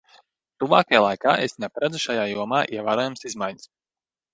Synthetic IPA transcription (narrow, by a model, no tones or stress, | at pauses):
t̪uvaːkajalˠajkaːʔesnʲɛpaɾad̪zuʃajaːjuɔmaːʔiɛvaːɾoɔːjamsizmajɲə̥s